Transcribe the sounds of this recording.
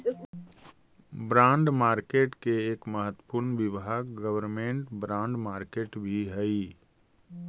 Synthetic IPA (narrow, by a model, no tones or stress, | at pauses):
bɾãːɳɖmaːɾkeːʈkeeːkməɦət̪wəpuːɾnʋɪʋɦəkɡəʋəɾmẽːɳʈbɾãːɳɖmaːɾkeːʈbʱiɦɛi